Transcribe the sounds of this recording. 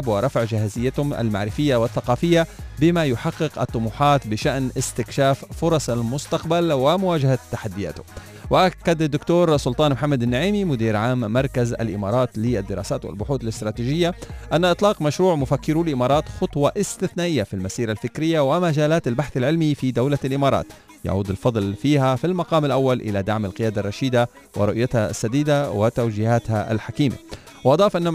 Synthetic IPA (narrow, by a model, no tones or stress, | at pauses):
bwɪɾˤɑfʕʒɪhazɪjːat̪hʊma̰lma̰ʕɾɪfɪjːawɪθːaqɑːfɪjːabɪmajʊħɑqːɪqʔɑt̪ˤːʊmuːħɑːt̪bɪʃaʔnʔɪst̪ɪkʃaːffʊɾˤɑsˤalmʊst̪aqbalwɪmʊwaːd͡ʒahat̪ːaħad̪ːɪja̰ːt̪hʊm | wɪʔakːad̪ad̪ːʊkt̪oːɾsʊlt̪ˤɑːnmħamːad̪anːaʕiːmimʊd̪iːɾʕaːmːɑɾˤkaza̰lʔɪ̰mɑ̰ːɾˤɑːt̪lɪad̪ːɪɾɑːsaːt̪wɪ̰lbʊħuːt̪alɪst̪ɾɑːt̪iːʒɪjːaʔanːaʔɨt̪ˤlɑːqmaʃɾuːʕmʊfakːɪɾulʔɪmɑːɾˤɑːt̪xʊt̪ˤwɑʔɪst̪ɪθnaːʔɪjːafilmasiːɾalfɪkɾɪjːawɪmad͡ʒaːlaːt̪albaħθalʕɪlmifid̪awlalʔɪmɑːɾˤɑ̰ːt̪ | ja̰ʕuːd̪ɪlfɑd̪ˤlfiːhafilmaqɑːmɪlʔawːalʔɪ̰lad̪aʕmalqɪjaːd̪arˤːɑʃiːd̪a | wɪ̰ɾʊʔjat̪ha̰sːad̪iːd̪awɪt̪awd͡ʒiːhaːt̪haʔa̰lħakiːma̰ | wʔɑd̪ˤɑːfʔanːa